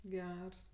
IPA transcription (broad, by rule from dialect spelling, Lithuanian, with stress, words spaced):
ˈɡʲɛrs